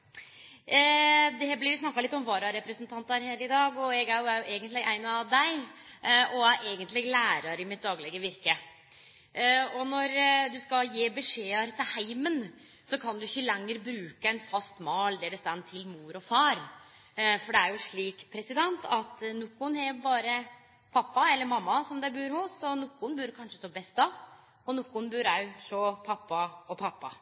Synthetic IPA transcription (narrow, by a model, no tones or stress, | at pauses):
d̪ɛblɪɾʋɪsnɑkːɑlɪt̪ːɔmʋɑːɾɑɾɛpɾəsənt̪ʰɑnt̪ɑɾheːɾɪd̪ɑːɡɔɛɡæɾjʊʔeːɡənt̪lɪʔæɪnɑd̪æɪ | ʔɔæʔeːɡənt̪lɪlæːɾɑɾɪmɪt̪̚d̪ɑːɡlɛɡəʋɪɾkə | ɔnɔɾd̪ʉskɑjeːbɛʂeːəɾt̪ʰɪlhæɪmən | sɔkʰɑnd̪ʉɪçəlɛŋːəɾbɾʉːkəɛnfɑst̪mɑːld̪ɛæɖɛst̪ɛnːt̪ʰɪlmuːɾɔfɑːɾ | fɔɖɛæɾjʊʂɭiːkpʰɾɛsɪd̪ɛnt̪ʰɑt̪nʊkːʊnhɛɾbɑːɾə | pʰɑpːɑɛlːəɾmɑmːɑsɔmd̪ɛæɾbʉːɾhʊsɔnʊkːʊnbʉɾkʰɑnʂə̥t̪oːbɛst̪̚d̪ɑ | ɔnʊkːʊnbʉɾæʂoːpʰɑpːɑɔpʰɑpːɑ